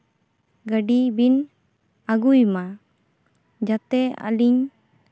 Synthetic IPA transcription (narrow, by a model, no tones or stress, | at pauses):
ɡəɖibin | aɡujma | d͡ʒat̪ɛa̰liɲ